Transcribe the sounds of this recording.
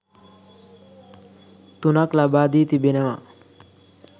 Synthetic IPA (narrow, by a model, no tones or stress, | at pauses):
t̪unaklabaːd̪iːt̪ibenema